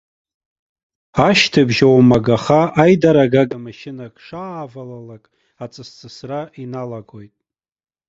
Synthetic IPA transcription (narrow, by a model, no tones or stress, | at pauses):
aʃtʰɨbʒawamaɡaχaʔajdaɾaɡaɡamaʃɪnakʰʼʂaːvalalakʼ | at͡sʼɨst͡sʼɨsraʔinalaɡojtʼ